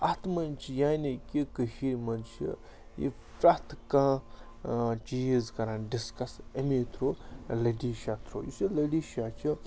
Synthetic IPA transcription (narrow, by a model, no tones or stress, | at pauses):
ɐt̪mɐnt͡ʃʰijaːnikikəʃiɾmɐnt͡ʃʰḭ | jḭ | fɾɐt̪ʰkãː | t͡ʃijizkɐɾãːnɖiskɐsɐmiːt̪ʰɾoːlɐɖiːʃat̪ʰɾo̰ːjisilɐɖiːʃaːt͡ʃʰi